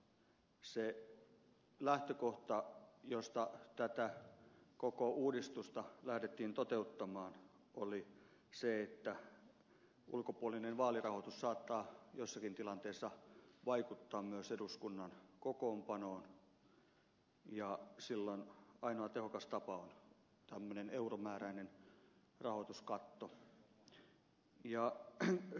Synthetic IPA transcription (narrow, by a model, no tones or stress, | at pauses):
se | læht̪økoht̪ɑjost̪ɑt̪æt̪ækokouːdist̪ust̪ɑlæhdet̪ːiːnt̪ot̪eut̪ːɑmɑːn | ʔoli | seet̪ːæ | ʔṵlkopuolinenʋɑːlirɑhot̪ussɑːt̪ːɑːjosːɑkint̪ilɑnt̪eːsːɑʋɑikut̪ːɑːmmyøseduskunːɑnkokoːmpɑnoːn | jɑsilːonɑinoɑt̪ehokɑst̪ɑpɑon | t̪æmːøneneuromæːræinen | rɑhot̪uskɑt̪ːo | jɑ